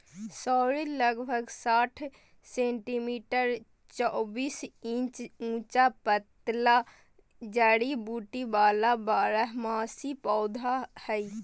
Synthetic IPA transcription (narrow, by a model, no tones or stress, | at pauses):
sɔːɾiləɡbʱəɡsaːʈʰ | sẽːɳʈimiːʈəɾ | t͡ʃɔːbiːsĩt͡ʃũːt͡ʃapət̪la | d͡ʒaːɽibuːʈibaːlabaːɾəɦmaːsipɔːd̪ʱahɛi